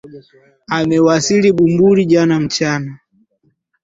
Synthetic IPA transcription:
amɛwasiliɓumbuɾiʄanam̩t͡ʃana

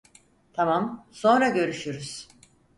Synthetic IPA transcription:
t̪ʰamamso̞nɾaɟø̞ɾyʃyɾyz̥

